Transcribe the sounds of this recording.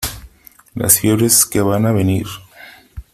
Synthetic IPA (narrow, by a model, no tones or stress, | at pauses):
la̰sfjeβɾeskeβanaβeniɾ